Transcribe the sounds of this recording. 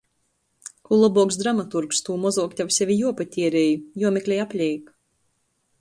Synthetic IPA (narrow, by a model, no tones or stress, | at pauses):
kulˠɔbɔɔksd̪ɾamat̪uɾkst̪uːmɔzuɔːkt̪ʲawsʲɛvʲijuɔpat̪ʲiɛɾeːjujuɔmʲɛkʲlʲɛjapʲlʲɛjk